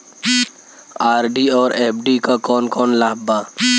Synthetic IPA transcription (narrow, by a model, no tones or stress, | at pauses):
aːɾɖiɔːɾeːp̚ʰɖikakɔːnkɔːnlaːɦbaː